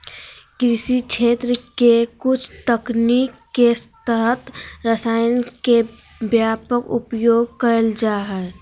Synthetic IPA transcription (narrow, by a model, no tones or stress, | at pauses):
kɾɪsikʃʰeːt̪ɾəkekʊt͡ʃʰt̪əknikːest̪əɦət̪ɾəsaːjənke | bjaːpəkʊ̰pjoːɡ̚kəɾəld͡ʒaːɦɛ